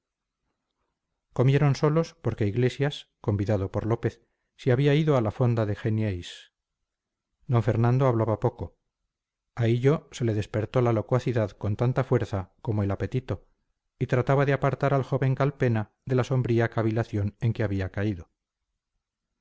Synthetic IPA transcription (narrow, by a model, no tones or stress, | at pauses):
ko̞mje̞ɾo̞nso̞lo̞spo̞ɾke̞iɣle̞sjasko̞mbiðaðo̞po̞ɾlo̞pe̞θː | iaβiaiðo̞alafo̞nd̪aðexenjejs | d̪o̞ɱfe̞ɾnãnd̪o̞aβlaβapo̞ko̞ | aiʎose̞le̞ðe̞spe̞ɾt̪o̞lalo̞kwaθiðaðko̞nt̪ant̪afwe̞ɾθako̞moe̞lape̞t̪it̪o̞ | it̪ɾat̪aβaðeapaɾt̪aɾalxo̞βe̞ŋkalpe̞na | ðe̞laso̞mbɾiakaβilaθjo̞ne̞ŋke̞aβiakaiðo̞